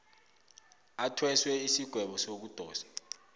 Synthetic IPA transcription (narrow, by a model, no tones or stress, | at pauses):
atʰwɛswɛisiɡ̥ʱwɛɓɔsok̬ud̥ʱɔːsḁ